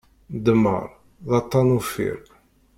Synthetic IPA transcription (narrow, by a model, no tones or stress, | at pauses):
d̪əmːə̰ɾˤ | ðɑt̪ˤːɑnufḭɾ